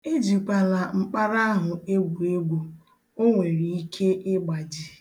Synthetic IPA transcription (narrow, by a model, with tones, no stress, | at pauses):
e˦d͡ʒi˨kʷa˨la˨ŋ͡m̩˦k͡pa˦ɾa˦a˦ɦʊ˨e˦ɡʷu˨e˦ɡʷo˨ | o˦ŋʷe˨ɾi˨i˦kʰe˦ʔɪ˦ɡ͡ba˨d͡ʒi˨